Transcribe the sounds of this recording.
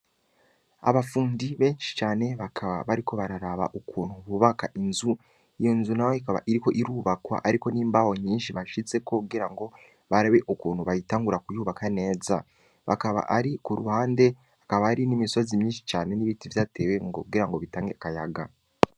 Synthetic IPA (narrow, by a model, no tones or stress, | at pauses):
a̰βafuːndiβe̞ːnʃi̥t͡ʃaːne̞βakʰaβa̰βaɾikʰo̞βaɾaɾaβa̰ʔukuːnhuβuβakaʔinzu | ijonzunajohikaβa̰ʔiɾiko̞ʔiɾuːβakwa̰ʔaɾiko̞niːmbawo̞ɲiːnʃiβaʃit͡se̞ko̞kuɡiɾaŋɡo̞ | βaɾaβe̞ʔukuːn̥huβajitaːŋɡuɾakujuːβakʰane̞ːza | βa̰kaβa̰ʔaɾikuɾuhaːnde̞ | akaβaaɾinimiso̞zimɲiːnʃi̥t͡ʃaːne̞niβitivjaːte̞ːweŋɡo̰kuɡiɾaŋɡo̞βitaːŋɡeakajaɡa